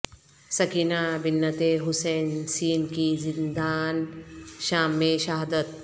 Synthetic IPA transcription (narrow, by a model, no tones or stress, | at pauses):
sɐkinaːbinːɐt̪eːɦuseːnsiːnkizind̪aːnʃaːmːeːʃɐɦd̪ɐt̪̚